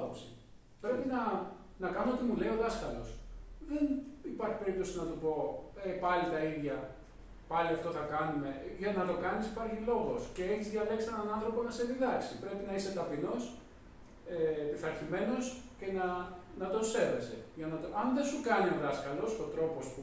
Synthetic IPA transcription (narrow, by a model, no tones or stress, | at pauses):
opsḭ | pɾe̞pinɐ | nɐkɐnoot̪imuleio̞ðɐskɐlo̞sðe̞nipɐɾçi̥pe̞ɾip̚t̪o̞sinɐt̪upo̞epɐlit̪ɐiðʝɐ | pɐliɐft̪o̞θɐkɐnume̞ʝɐnɐt̪o̞kɐnisipɐɾçilo̞ɣo̞sce̞eçizðʝɐle̞ksienɐnɐnθɾo̞ponɐse̞ðiðɐksipɾe̞pinɐise̞t̪ɐpino̞s | epiθɐɾçime̞no̞sce̞nɐnɐt̪o̞se̞ve̞se̞̰ʝɐnɐt̪oʔɐnðensukɐnio̞ðɐskɐlo̞sot̪ɾo̞po̞spu